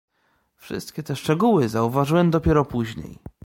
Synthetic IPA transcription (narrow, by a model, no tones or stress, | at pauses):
fʂɘ̰st̪kʲɛt̪ɛʂt͡ʂɛɡuwɘzauvaʐɘwɛmd̪ɔpʲjɛɾɔpuʑɲḛj